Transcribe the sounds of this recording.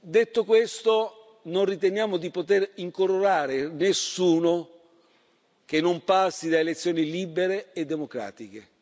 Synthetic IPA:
d̪et̪ːokwest̪o | nonrit̪enjaːmod̪ipot̪eɾiŋkoɾoɾaːɾenesːuːno | kenːompasːid̪aelet̪sːjoːniliːbeɾeːd̪ːemokɾa̰ːt̪ike

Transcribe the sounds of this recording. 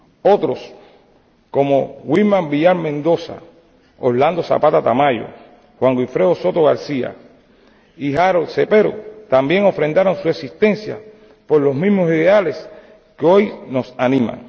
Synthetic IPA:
o̞t̪ɾo̞s | ko̞moɣwilmãŋbiʝaɾmẽnd̪o̞sa̰ | oland̪o̞sa̰pat̪at̪amaʝo̞̰ | hwaŋɡwifɾe̞oso̞t̪oɣaɾsia̰ | iɦaɾolsepe̞ɾo̰t̪ambje̞ŋo̞fɾẽ̞nd̪aɾo̞ŋsueksist̪ẽ̞nsja̰ | po̞ɾlo̞smĩzmosiðe̞ale̞s | keojno̞sanĩma̰ŋ

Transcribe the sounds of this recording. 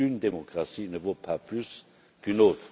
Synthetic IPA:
ynd̪emɔkʁasinəvopaplys | kynoːt̪χ

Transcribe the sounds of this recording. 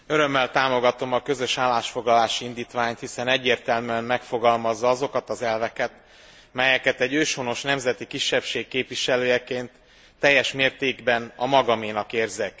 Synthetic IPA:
ø̞ɾø̞mːɛlt̪aːmo̞ɡɒt̪o̞mɒkø̞zø̞ʃaːlːaːʃfo̞ɡlɒlaːʃiind̪iːt̪ʋaːɲt̪hisɛnɛɟːeːrt̪ɛlmyɛmmɛkfo̞ɡɒlmɒzːɒɒzo̞kɒt̪ɒzɛlvɛkɛt̪ | mɛjɛkɛt̪ɛɟːøːʃhono̞ʃnɛmzɛt̪ikiʃːɛpʃeːkːeːpʋiʃɛløːjɛkeːnt̪ː | ɛjːɛʃmeːrt̪eːɡbɛnɒmɒɡɒmeːnɒkeːrzɛk

